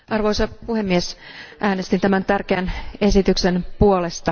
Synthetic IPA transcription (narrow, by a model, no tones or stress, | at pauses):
ɑrʋo̞isɑpuhe̞mːiesʔæːnest̪int̪æmænt̪ærkeænesit̪ykse̞npuole̞st̪ɑ